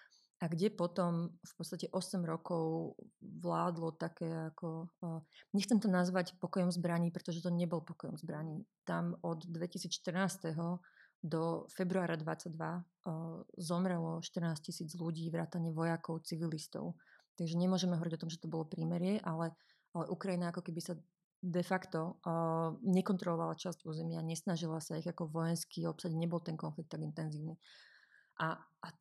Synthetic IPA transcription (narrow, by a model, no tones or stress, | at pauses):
aɡɟɛpɔt̪ɔmfpɔt̪t͡st̪acɛʔɔsɛmɾɔkɔʊʋlaːd̪lɔt̪akɛːakɔ | ɲɛxt͡sɛmt̪ɔnazʋacpɔkɔjɔmzbɾaɲiːpɾɛt̪ɔʒɛt̪ɔɲɛbɔlpɔkɔjɔmzbɾaɲiːt̪amɔd̪ːʋɛcisiːt͡sʃt̪r̩naːst̪ɛɦɔ | d̪ɔfɛbɾuaːɾad̪ʋa̰t͡saɟ̚d̪ʋa | zɔmɾɛlɔʃt̪ər̩naːscisiːd͡zluɟiːʋɾaːt̪aɲɛʋɔjakɔʊt͡siʋilist̪ɔ̰ʊt̪aɡʒɛɲɛmʊɔʒɛmɛɦɔʋɔɾiɟɔt̪ɔmʒɛt̪ɔbɔlɔpɾiːmɛɾɪɛʔalɛ | alɛʔukɾajinaakɔkɛbisa | d̪ɛfakt̪ɔ | ɲɛkɔnt̪ɾɔlɔʋalat͡ʃascuːzɛmɪaɲɛsnaʒilasaiɣakɔʋɔjɛnskiːɔpsaɟɲɛbɔlˠt̪ɛnkɔnflik̚t̪ːaɡint̪ɛnziːʊni | ʔaː